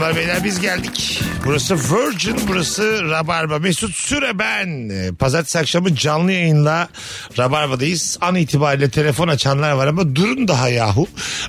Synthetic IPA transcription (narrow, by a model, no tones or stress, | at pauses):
baɾvejlʲæɾbizɟælʲd̪icbuɾasɯvøɾd͡ʒynbuɾasɯɾabaɾbamɛhsut̪syɾebænpʰazaɾt̪ʰi̥sakʃamɯd͡ʒanlˠɯjajɯnlˠa | ɾabaɾbad̪ajɯz̥aniːt̪ʰibaːɾiːlʲɛt̪ʰe̞lʲe̞fo̞nat͡ʃʰanlˠaɾvaɾamad̪uɾund̪aɦajaːɦu